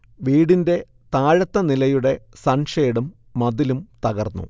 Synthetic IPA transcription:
ʋiːɽinde̞ | t̪aːɻɐt̪ːɐnilɐjuɽe̞sɐnʂejɽumː | ɐðilumt̪ɐɣɐrnːṵ

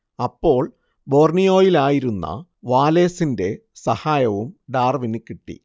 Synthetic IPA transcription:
ɐpːo̞ːɭ | bo̞ːrnijo̞ːjilaːjiɾunːɐ̰ | ʋaːle̞ːsinde̞ | sɐhaːjɐʋumɖaːrʋinɨkiʈːḭ

